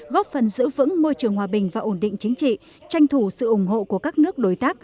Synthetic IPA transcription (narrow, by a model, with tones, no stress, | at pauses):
ɣɔ˦˥p̚fə˨˩nzɨ̰˧˥vɨ̰˧˥ŋmo˧jt͡ɕɨ˨˩əŋhwaː˨˩ɓï˨˩ŋ̟vaː˨˩ʔo˧˩nɗḭ˧˨ŋ̟t͡ɕi˨˦ŋ̟t͡ɕḭ˧˨ | t͡ɕa˧jŋt̪ʰu˧˩sɨ̰˧˨ʔʊ˧˩ŋ͡mɦo̰˧˨ku˧˩əkaː˦˥k̚nɨ˦˥ək̚ɗo˨˩˦jt̪aː˦˥k̚